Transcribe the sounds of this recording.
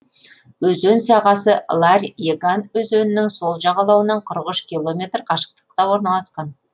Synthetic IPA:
ɵzɵnsɑʁɑsəlˠarʲeɡanɵzɵnɪnɪŋso̞lˠʒɑʁɑlˠɑwənɑɴqʰəɾəqʏʃkʲilˠo̞mʲe̞t̪rqʰɑʃə̥q̚t̪ə̥qt̪ɑwo̞ɾnɑlˠɑsqɑn

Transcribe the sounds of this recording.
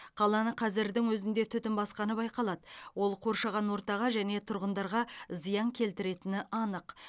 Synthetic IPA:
qʰɑlˠɑnəqʰɑzɪɾd̪ɪŋwɵzɪnd̪e̞t̪ʰʏt̪ɪmbɑsqɑnəbɑjqɑlˠɑd̪əwo̞lˠqʰo̞ɾʃɑʁɑnwo̞ɾt̪ɑʁɑʒæne̞t̪ʰʊɾʁənd̪ɑɾʁɑzijɑŋkʲʰe̞lt̪ɪɾe̞t̪ɪnɪʔɑnəq

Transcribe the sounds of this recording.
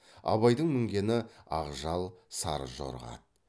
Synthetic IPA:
ɑ̰βɑjd̪əɴmʏŋɡʲe̞nɪɑʁʒɑlˠsɑ̰ɾʒo̰ɾʁɑ̰t̪̚

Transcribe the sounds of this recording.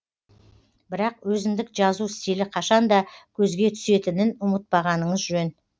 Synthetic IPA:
bɪɾɑqwɵzɪmd̪ɪkʒɑzust̪elɪqʰɑʃɑnd̪ɑkʲʰɵzɡʲe̞t̪ʰʏ̥se̞t̪ɪnɪnʊmət̪̚bɑʁɑnəɴəzʒʒøn

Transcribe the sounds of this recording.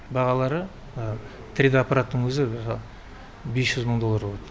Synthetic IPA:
bɑʁɑlˠɑɾə | t̪ʰɾʲid̪apːɑɾat̪ːəɴwɵzɪɑ | besʒʏzməɴd̪o̞lˠːaɾboɑt̪ə

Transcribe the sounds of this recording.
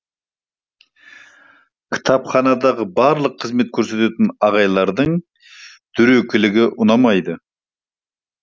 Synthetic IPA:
kʲʰɪ̥t̪ʰɑpχɑnɑd̪ɑʁəbɑɾlˠəqʰːəzme̞t̪̚kʲʰɵɾse̞t̪et̪ɪnɑʁɑjlˠɑɾd̪əɴ | d̪̥ʏɾɵkʲʰɪlɪɡʲɪʔʊnɑmɑjd̪ə

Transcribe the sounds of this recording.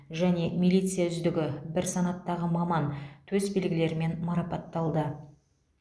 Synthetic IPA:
ʒæne̞milijt̪sɨjaʏzd̪ɪɡʲɪbɪɾsɑnɑt̪ːɑʁəmɑmɑnt̪ʰɵzbe̞lɡʲɪle̞ɾɪme̞nmɑɾɑpɑt̪ːɑlˠd̪ə

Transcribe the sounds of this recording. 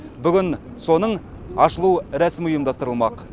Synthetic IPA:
bʏɡʲɪn | so̞nəɴ | ɑʃəlˠuɾæsɪmʊjəmd̪ɑst̪əɾəlˠmɑq

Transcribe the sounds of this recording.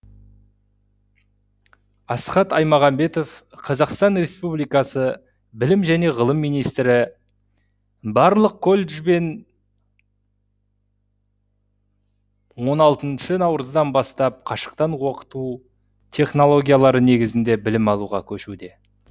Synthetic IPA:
ɑsχɑt̪ɑjmɑʁɑmbe̞t̪o̞f | qʰɑzɑqst̪ɑnɾe̞spublijkɑsə | bɪlɪmʒæne̞ʁəlˠəmːijnijst̪ɾɪ | bɑɾlˠəq̚kʰo̞lʲʒbe̞n | wo̞nɑlˠt̪ənʃənɑwɾəzd̪ɑnbɑst̪ɑp̚qʰɑʃə̥qt̪ɑnwo̞qə̥t̪u | t̪ʲʰe̞χno̞lˠo̞ɡʲijalˠɑɾəne̞ɡʲɪzɪnd̪e̞bɪlɪmɑlˠuʁɑ̰kʲʰɵʃud̪e̞

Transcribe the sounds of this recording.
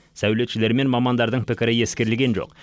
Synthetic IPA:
sæwle̞t̪ʃɪle̞ɾme̞nmɑmɑnd̪ɑɾd̪əɴpɪkʲɪɾɪje̞skʲe̞ɾɪlɡʲe̞nʒo̞̰q

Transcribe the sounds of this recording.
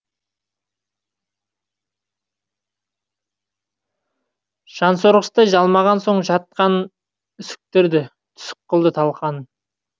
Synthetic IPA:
ʒ̥ɑnsoɾʁəst̪ɑʒɑlˠmɑʁɑnso̞ɴʒɑt̪̚qɑn | ʏsɪ̥k̚t̪ɪɾd̪ɪ | t̪ʰʏ̥sɪ̥qːəlˠd̪ət̪ʰɑlˠqɑn

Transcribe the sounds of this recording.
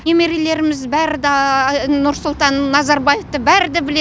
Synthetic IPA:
emeɾile̞ɾɪmɪzbæɾɪd̪ɪnʊɾsʊlˠt̪ɑnːɑzɑɾbɑjeft̪əbæɾɪd̪ɪbɪle

